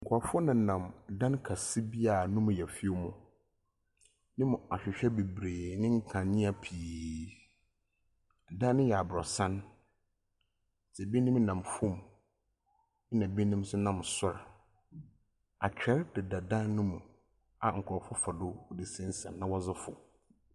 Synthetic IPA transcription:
ŋ̩˨kʰɔ˨ɾfɔ˦nã˨nã˨m˨dã˦nkʰa˨si˦bi˦a˨nʊ̃˦m̃˨jɛ˨fi˦o˦mʊ̃˨ | nɪ̃˦mʊ̃˨a˨ɕᶣɪ˨ɕᶣɛ˦be˨bɾeː˨nɪ̃˦ŋ̩˦kʰã˨nɪ̃˦a˨pʰiː˨ | dã˦nːɪ̃˦jɛ˨a˨bɾɔ˨sã˦n˨ | sʰɛ˨bi˦nɪ̃˦m˦nã˨mfʊ̃˦˨m˦ | nã˨be˦nĩ˦m˦sʊ˦nã˦˨msʊ˦ɾa˨ | a˨t͡ɕᶣɛ˦ɾd̥ɪ˨da˨dã˦nːʊ̃˦mũ˨ | a˨ŋ̩˨kʰɔ˨fɔ˦fa˨dʊ˦ʊ˨dɪ˨sɪ̃˦n̩˦sã̰˨nːã˦wɔ˦zɪ˦fʊ̰˨

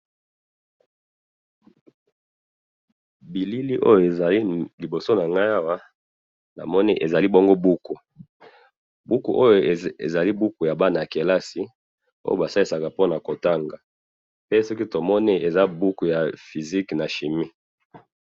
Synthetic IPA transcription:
bi˨li˦li˦ʔo̰˦jo˨e˨a˨li˦li˨bo˨so˦na˨ŋɡa˦ja˦wa˦ | na̰˨mɔ˦ni˦ʔe˨za˨li˦bo˦ŋɡo˦bu˦ku˨ | bu˦ku˨ʔo˦jo˨ḛ˨za˨li˦bu˦ku˨ja˨ba˦na˨a˨ke˨la˦si˨ | o̰˦jo˦˨ba˨sa˦li˦sa˨ka˨po˦na˨ko˨ta˦ŋɡa˨ | pe˦sɔ˦ki˦to˨mɔ˦ni˦e˨za˦bu˦ku˨ja˨fi˨zi˦kna˨ʃi˨mi˦

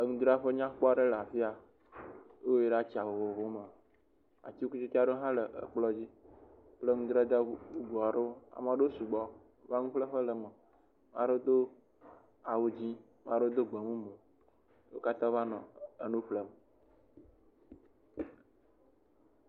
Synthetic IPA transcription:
ə˨ŋũ˦d̪ɾa˦ɸə˦ɲã˦k͡pɔ˦˨ɖe˦la˨fi˦a˨˦ | o˦je˨ɖa˦t͡ɕi˨a˨wo˨vo˨vo˦me˨ | a̰˨t͡ɕi˦ku˦t͡ʃi˦t̪i˦a˦ɖo˦ɦã˦lə˨ʔə̰˨k͡plɔ˦d͡ʑi˦ | plə˦ŋũ˦d̪ɾa˦d̪ə˦u˦ɡɔ˨a˨ɖo˦a̰˨mã˨ɖo˦su˨ɡ͡bɔ˦ | va˦ŋũ˦ɸlə˦ɸə˦lə˨mə˨ | m˦ã˦ɖo˦d̪o˦ | a˨wo˨d͡ʑi˦ | m˦ã˦ɖo˦d̪o˦ɡ͡be˨mũ˦mõ˨ | wo˦ka˦t̪ã˦va˦nɔ̰̃˨ə˨nũ˦ɸlə˦mə˨

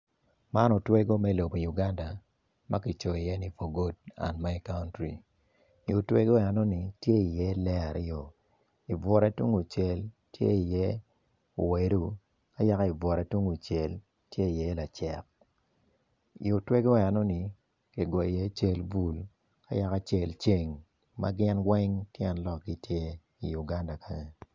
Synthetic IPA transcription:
ma˦nɔ˨twe˦ɡo˦mɛ˦lo˨bo˨ju˨ɡa˦nda˨ | ma˦ki˨t͡ʃo˨i˨jɛ˦ni˦fo˨ɡo˦d̚a̰˨nma˦i˨˦ka˦ʊ˦ntɾi˨ | o˨twe˦ɡo˦ɛ˨nɔ˦ni˨tje˦i˨jɛ˦lɛ˦a˨ɾḭ˦jo˨ | i˨bɔ˨ɾɛ˦tu˦ŋu˨t͡ʃe˦l | tjḛ˦i˨jɛ˦ | o˨we˨ɾu˦ | ka˦ja˦ka˦i˨bɔ˨ɾa˨˦tu˦ŋu˨t͡ʃe˨l | tje˦i˨jɛ˦la˨t͡ʃɛ˨k̚ | ḭ˨ʊ˨twe˦ɡɔ˦˨a˨nɔ˦ni˨ | ke˨ɡɔ˨i˨je˦t͡ʃe˦lbu˨l | ka̰˦ja˦ka˦t͡ʃe˨lt͡ʃe˨ŋ | ma̰˦ɡɪ˦nwɛ˦ŋtjɛ˦nlɔ˨k̚ɡi˦tje˦ | i˨ju˨ɡa˦nda˨kʰa˨ɲe˨

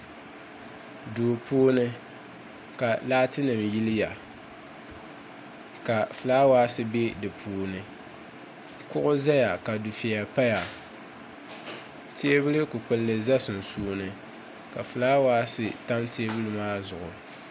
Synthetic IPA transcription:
duː˨puː˦nɨ˦ | ka˨laː˦tɨ˦nɨ˨mji˦lɪ˦ja˨ | ka˨fɨ˨laː˦waː˦sɨ˦be˦dɨ˨pʰuː˦˨nɨ˨ | kʊ˦ʔʊ˦za˦ja˨ka˨du˨fi˨ja˨pa˦ja˨ | te˦e˦bɨ˦lɨ˦kʊ˨k͡pɨ˨lːɨ˨za˦sʊ˨n̩˨suː˦nɨ˨ | ka˨fɨ˨laː˦waː˦sɨ˨ta˦mte˦e˦bɨ˦lɨ˦maː˦zʊ˨ʔʊ˨

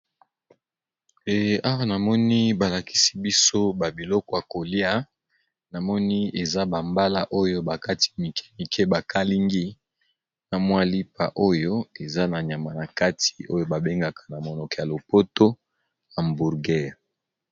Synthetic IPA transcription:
e˨a˦wa˦na˨mɔ˦ni˦ba˨la˨ki̥˦si̥˦bi˦so˦ba˨bi˨lɔ˦kɔ˨ja˨ko˨li˦a˦ | na˨mɔ˦ni˦e˨za˦ba˨mba˦la˦ʔo˦jo˦ba˨ka˦ti̥˨˦mi˨kʰɛ̥˦mi˨kʰɛ˦ba˨ka˦li˦ŋɡi˦ | na˨mwa˦li˦pa̰˨ʔo˦jo˦e˨za˦na˨ɲa˨ma˨na˨ka˦ti̥˨o˦jo˦ba˨be˦ŋɡa˨kʰḁ˨na˨mo˨nɔ˨kɛ˨ja˨lo˨po˦to˦ | ja˨mbu˨ʁɡɛ˦

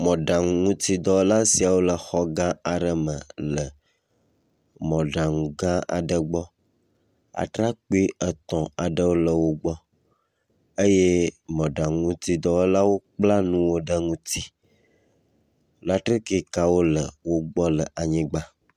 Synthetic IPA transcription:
mɔ̃˨ɖã˨ŋũ˦t̪i˦d̪ɔ˨wla˦si˨a˨wo˦lə˨xɔ˦ɡã˦a˨ɖə˦mə̃˨lə˨ | mɔ̃˨ɖa˨ŋũ˨ɡã˦a̰˨ɖə˨ɡ͡bɔ˦ | a̰˨t̪ɾa˦k͡pu˦i˦ə˨t̪ɔ̃˨a˨ɖə˦wo˦lə˨wo˦ɡ͡bɔ˦ | ə˦je˦mɔ̃˨ɖã˨ŋũ˦t̪i˦d̪ɔ˨wo˦la˦wo˦k͡pla˦nũ˦wo˦ɖə˦ŋũ˦t̪i˦ | o˦la˦t̪ɾe˦ke˦ka˨wo˦lə˨wo˦ɡ͡bɔ˦lə˨ʔa˨ɲĩ˦ɡ͡ba˦

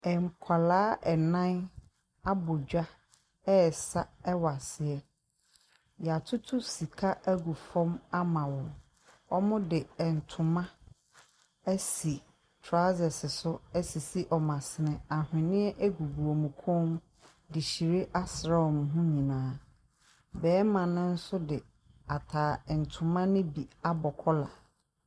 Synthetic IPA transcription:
ɛ˨ŋ˨kʷʰa˨laː˦ʔɛ˨nã˦n | a˦bʊ˨d͡ʑᶣa˦ | ɛ˦˨sa˦ɛ˦wa˨sɪ˨ɛ˦ | ja˨tʰʊ˦tʰʊ˦si˨kʰa˦ʔæ˦ɡu˨fɔ̃˦ma˦mã˨wɔ̃˨ | ɔ˦mʊ̃˦dɪ˨ɛ˨n̩˨tʰʊ̃˨mã˦ | æ˦si˨ | tʰɾa˦zɛ˨sɪ˨sʊ˦ɛ˦si˨si˦ʔɔ˨mã˨sɪ˨nɪ̃˨a˨hɪ̃˨nɪ̃˦ɛ˦ʔæ˦ɡu˨ɡu˨o˨mũ˨kʰʊ̃˦m | dɪ˨ɕi˨ɾe˦ʔa˦sɾa˦wɔ˨m˨ɦʊ̃˦ɲĩ˨nãː˨˦ | bɛː˨˦mã˨nʊ̃˦n̩˦sʊ˦dɪ˨ | a˨tʰaː˨ɛ˨n̩˨tʰʊ̃˨mã˦nʊ̃˦bi˨a˦bɔ˨kʰɔ˦la̰˨

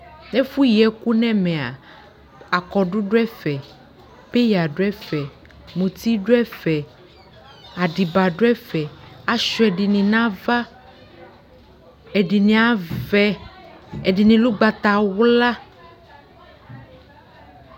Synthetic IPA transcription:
ne˦fu˦ji˨ɛ˨ku˦nɛ̃˦mɛ̃˨a̰˨ | a˨kɔ˨ɖu˦ɖo˦ɛ˦fɛ˨ | pe˦ja˨ɖo˦ɛ˦fɛ˨ | mũ˨t̪i˦ɖo˦ɛ˦fɛ˨ | a˨ɖi˨ba˨ɖo˦ɛ˦fɛ˨a˦ʃɔ˨˦ɛ˨ɖi˨nĩ˨nã˦va˦ | e˨ɖi˨nĩ˨a˨vɛ˦ | e˨ɖi˨nĩ˨lu˦ɡ͡ba˨t̪a˨wla˦

